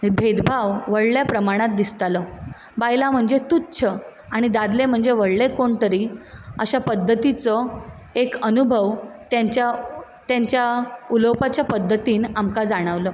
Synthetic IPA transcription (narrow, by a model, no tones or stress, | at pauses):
bʱed̪bʱaʋʋəɽljapɾəmaɽ̃at̪̚d̪ist̪alɔ | bajlam̤əɳd͡zet̪ut̪ːt͡ɕʰə | aɽ̃id̪ad̪lem̤əɳd͡zeʋəɽlekoɳt̪əɾiːəɕapəd̪ʱːət̪it͡sɔ | ekənubʱəʋt̪jaɲt͡ɕa | t̪jaɲt͡ɕjauləwpat͡ɕjapəd̪ʱːət̪iːnamkad͡zaɽ̃əʋlə